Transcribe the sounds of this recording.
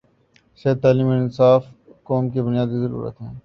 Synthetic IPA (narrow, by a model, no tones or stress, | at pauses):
seːd̪̚t̪ːaːliːmoɪnsaːf | kɔːmkebʊnijaːd̪izɐɾṵːɾə̰t̪ɦɛ̃ː